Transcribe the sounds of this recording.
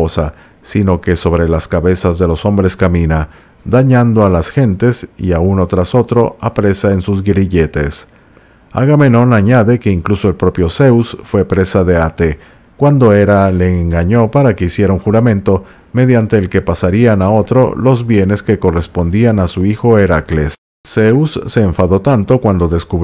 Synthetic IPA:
osa | sino̞ke̞so̞βɾe̞laskaβe̞sazðe̞lo̞so̞mbɾe̞skamĩna | d̪aɲand̪o̞alasxe̞nt̪e̞sḭauno̞t̪ɾaso̞t̪ɾo̞apɾe̞saensuzɣɾiʝe̞t̪e̞̰s | a̰ɣameno̞naɲaðe̞ke̞iŋkluso̞elpɾo̞pjo̞se̞usfwe̞pɾe̞saðe̞at̪e̞ | kwand̪o̞eɾale̞ːŋɡaɲo̞paɾake̞isje̞ɾauŋxuɾamẽ̞nt̪o̞ | me̞ðjant̪e̞ːlke̞pasaɾianao̞t̪ɾo̞̰lo̞zβje̞ne̞ske̞ko̞re̞spo̞nd̪ianasuixo̞eɾaklesː | eusːe̞ːɱfaðo̞t̪ant̪o̞kwand̪o̞ðe̞skuβ

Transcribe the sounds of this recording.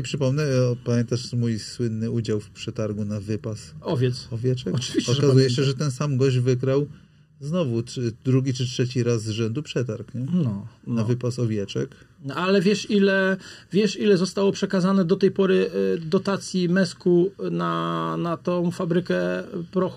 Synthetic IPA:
ɛpʂɘpɔmnɛpamʲjɛnt̪aʂmujswɘnːɘud͡ʑawfpʂɛt̪aɾɡunavɘpasɔvʲjɛt̪sɔvʲjɛt͡ʂɛkɔvʲiɕt͡ɕɔkazujɛɕɛʐɛt̪ɛnsamɡɔʑvɘɡɾaw | znɔvud̪ɾuɡʲit͡ʂɘtʂɛt͡ɕiɾazːʐɛnd̪upʂɛt̪aɾknɔnavɘpasɔvʲjɛt͡ʂɛ̰k̪ | alɛvʲjɛʂilɛvʲjɛʂilɛzɔst̪awɔpʂɛkazanɛd̪ɔt̪ɛjpɔɾɘd̪ɔt̪at̪sʲjimɛskunanat̪ɔ̃w̃fabɾɘkɛpɾɔx

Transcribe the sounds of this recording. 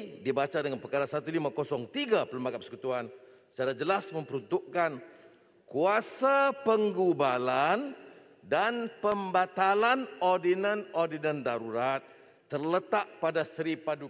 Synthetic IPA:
dibat͡ʃadəŋanpəkaɾasat̪ulimãkosɔŋt̪iɡapələmbakapəsə̥kut̪uansə̥t͡ʃaɾad͡ʒəlasmə̃mpəɾunt̪uʔkan | kuasapəŋɡubalan | danpəmbat̪alanordinə̃nɔrdinə̃ndaɾuɾat̪̚ː | ərlət̪aʔpadasɾipadu

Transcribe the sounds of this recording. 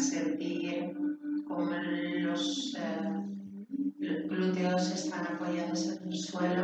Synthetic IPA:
seɾpijekomelos | klut̪eosest̪anapoʝaðosenelswelo

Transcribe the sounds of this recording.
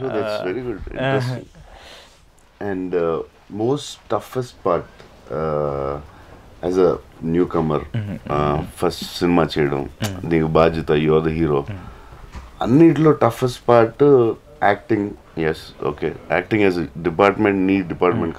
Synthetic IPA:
soːd̪æʈsʋeɾiɡʊɖɪ̰̃ɳʈɾesʈɪ̰̃ŋ | ɛ̃ɳɖ | moːsʈʈːɐfesʈ̚paːɾʈ | ɛzənjuːkɐməɾ | fɐsʈsɪnɪmaːt͡ʃejɽɐ̰̃mniːʋubaːd͡ʒɐt̪ajoːd̪ɐɦiːɾoː | ɐ̰̃nːiʈloːʈɐfesʈpaːɾʈ | æːk̚ʈĩŋ | jɛso̰ːkeæ̰ːk̚ʈĩŋɛzəɖɪpaːɾʈmẽɳʈniːɖɪpaːɾʈmẽɳʈk

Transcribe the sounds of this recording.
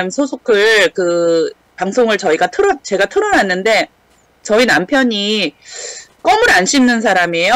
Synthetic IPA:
msʰosʰokʰɯɭkɯ | paŋsʰoŋɯɭt͡ɕʌiɡatʰɯɾʌt͡ɕe̞ɡatʰɯɾʌnanːɯnde̞ | t͡ɕʌinampʰjʌɲi | k͈ʌmɯɾanɕʰimnɯns̬ʰaɾame̞jo

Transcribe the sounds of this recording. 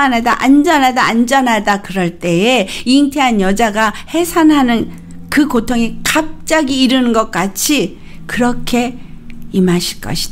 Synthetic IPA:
anɦadaʔand͡ʑʌnɦadaand͡ʑʌnɦadakɯɾʌɭt͈e̞eiŋtʰeɦanjʌd͡ʑaɡahe̞sʰanɦanɯn | kɯkotʰoŋekap̚t͡ɕ͈aɡiːɾɯnɯnɡʌk̚k͈at͡ɕʰi | kɯɾʌkʰe̞imaɕʰiɭk͈ʌ̰ɕʰi̥d̥a

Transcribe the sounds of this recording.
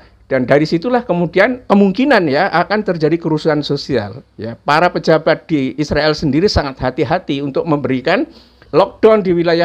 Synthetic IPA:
d̥andaɾisit̪ulahkəmudiankəmuŋkinanjaʔakant̪ərd͡ʒadikəɾusuɦansosia̰ljapaɾapəd͡ʒabat̪̚d̥iːsɾaɛlsəndiɾisaŋat̪̚hat̪iɦat̪iunt̪ʊk̚məmbəɾikan | lɔk̚d̥andiwilaja

